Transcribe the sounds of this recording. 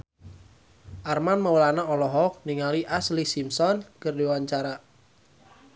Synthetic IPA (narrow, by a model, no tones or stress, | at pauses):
ʔarmanməwlanaɔlɔɦɔk̚niŋaliʔaslisimsɔnkərdiwaɲt͡ʃaɾa